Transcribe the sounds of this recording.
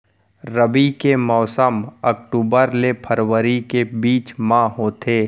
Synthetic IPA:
ɾəbikemɔːsəmɐk̚ʈuːbəɾlepʰəɾʋəɾikebiːt͡ʃmãɦoːt̪ʰeː

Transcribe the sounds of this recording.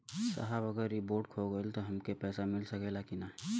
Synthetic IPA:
sa̰ɦəbɐɡəɾiboːɾɖ̚kʰoɡɐelt̪oɦɐmkepɛːsamɪlsɐkelakinaɦɛ

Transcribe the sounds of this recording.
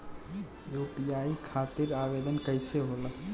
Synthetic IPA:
jopiaikʰat̪iɾabed̪ənkəɪseɦolə

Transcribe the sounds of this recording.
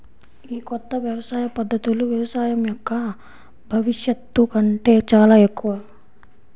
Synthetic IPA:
iːkɔt̪ːɐʋjɐʋɐsaːjɐpɐd̪ʱːɐt̪uluʋjɐʋɐsaːjɐmjɔkːɐ | bʱɐʋiʂjɐt̪ːukɐɳʈe̞ːt͡ʃaːlaːe̞kːuʋɐ

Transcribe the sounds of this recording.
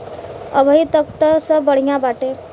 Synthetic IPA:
əbʱəɦit̪ək̚t̪əsəbəɽ̤ijãbaːʈe

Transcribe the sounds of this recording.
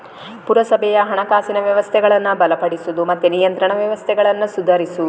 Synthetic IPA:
puɾɐsɐbʱɛjɐɦɐɳɐkaːsinɐʋjɐʋɐst̪ʰɛɡɐɭɐnːubɐlɐpɐɽisud̪umɐt̪ːenijɐnt̪ɾɐɳɐʋjɐʋɐst̪ʰɛɡɐɭɐnːusud̪ʱɐɾisu

